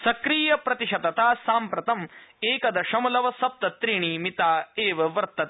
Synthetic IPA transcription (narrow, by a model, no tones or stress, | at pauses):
sɐkɾiːjɐpɾɐt̪iʂɐd̪ɐt̪aːsaːmpɾɐt̪ɐmeːkɐd̪ɐʃɐmɐlɐʋɐsɐp̚t̪ɐt̪ɾiɳimit̪aːeːʋɐʋɐɾt̪ːɐt̪